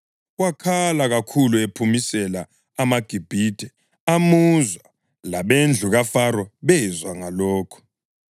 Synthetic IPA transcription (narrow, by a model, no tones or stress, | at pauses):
ɣ̬wakʰalaɣakʰuluepʰumisɛlaː | maɡ̥ʱib̥ʱid̥ʱɛ | amuzwa | laɓend͡ɮʱuɣafaɾɔɓɛzwaŋalɔːkʰɔ̥